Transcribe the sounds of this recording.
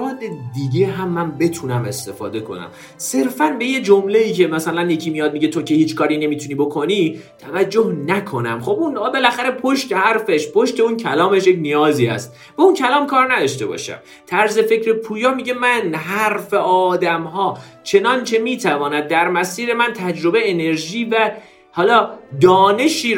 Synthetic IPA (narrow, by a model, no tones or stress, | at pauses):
ɾɒːd̪ed̪iɟe̞ɦæmːæmbe̞t̪ʰunæme̞st̪efɒ̰ːd̪e̞kʰo̞̰næ̰m | se̞ɾfænbe̞je̞d͡ʒomle̞iːcʰe̞mæsælænje̞cʰiːmijɒːd̪̚miɟe̞t̪ʰo̞ce̞hiːt͡ʃkɒːɾine̞miːt̪ʰuniːbo̞kʰo̞nit̪ʰævæd͡ʒːohnækʰo̞næ̰mχo̞bunbe̞læxæɾe̞pʰo̞ʃt̪e̞hæɾfeʃpʰoʃt̪e̞uncʰælɒːme̞ʃjecnijɒːziːhæ̰st̪ | b̥æuncʰælɒːmkʰɒːɾnæd̪ɒʃt̪e̞̰bɒ̰ʃæ̰m | t̪ʰæɾze̞fecɾepʰuːjɒːmiːɟe̞mænɦæɾfe̞ʔɒːd̪æmɦɒː | t͡ʃʰe̞nɒnt͡ʃʰe̞miːt̪ʰævɒːnæd̪̚ːæɾmæsiːɾe̞mænt̪ʰæd͡ʒɾo̞be̞jːne̞ɾʒiːvæ | hɒːlɒːd̪ɒːne̞ʃiː